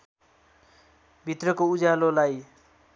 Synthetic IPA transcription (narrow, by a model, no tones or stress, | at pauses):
bʱit̪rʌkoud͡zalolaj